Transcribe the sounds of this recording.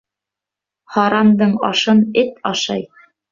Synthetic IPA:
hɑɾɑmd̪ɤɴɑ̰ʃɤnɘt̪ɑʃɑ̰j

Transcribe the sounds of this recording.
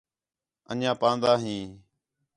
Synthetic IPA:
ə̰nãːpãːnd̪aːɦĩː

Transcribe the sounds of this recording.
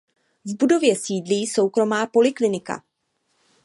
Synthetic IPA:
vbudo̞vjɛsiːdliːso̞wkɾo̞maːpo̞lɪklɪnɪka̰

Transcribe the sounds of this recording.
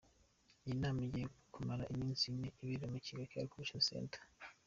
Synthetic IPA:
inaːmijekumaɾa̰ʔimiːnsimneiβiɾemuciɡakaɾikuβuʃasḛːntʰḁ

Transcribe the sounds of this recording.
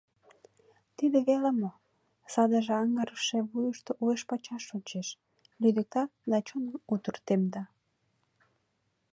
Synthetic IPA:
t̪id̪eβelemo | sɑd̪əʒeɑŋəɾəʃeβujəʃt̪oʔueʃpɑt͡ɕɑʃont͡ɕeʃ | lyd̪ək̚t̪ɑd̪ɑt͡ɕonəmut̪urt̪emd̪ɑ

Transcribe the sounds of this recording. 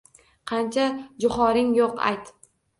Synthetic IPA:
qʰɑnt͡ʃʰad͡ʒʊχɒɾɪŋjoqa̰jt̪

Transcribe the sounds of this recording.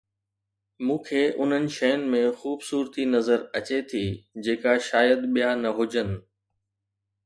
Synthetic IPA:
mũːkʰeːʔʊn̤ənɪ̆ʃɐjənɪ̆mẽxuːbsuːɾt̪inɐzəɾɐt͡ɕet̪ʰiːd͡ʑeːkaʃaːjəd̪ɓijanɐɦʊd͡ʑənɪ̆

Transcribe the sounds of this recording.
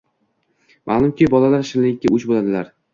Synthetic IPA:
mʔa̰lˠʊmkʲʰibɒlalaɾʃɪnlɪkʲːaʔʊt͡ʃbolad̪ɪlaɾ

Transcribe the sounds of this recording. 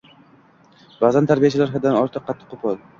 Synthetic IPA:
bazant̪ʰaɾbijat͡ʃʰɪlaɾɦad̪anɒɾt̪ʰɨqʰːɑt̪ʰːɨ̥qʰːopʰɒlˠ

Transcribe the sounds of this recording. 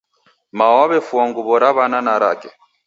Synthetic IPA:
mawaβɛfuɔŋɡuβɔɾaβananaɾa̰kɛ

